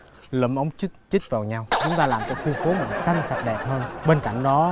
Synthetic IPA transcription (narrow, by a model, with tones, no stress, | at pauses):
lə̰˧˩mʔə˨˦wŋ͡mt͡ɕt͡ɕi˦˥t̚vaː˨˩wɲa˧wt͡ɕʊ˨˦ŋ͡mt̪aː˧laː˨˩mt͡ɕɔ˨˧˦ku˧əko˨˦mï˨˩ŋ̟sa˧jŋ̟sa˨˩t̚ɗɛ˨˩p̚həː˧nɓeː˧nka̰˧˩jŋ̟ɗɔ˨˦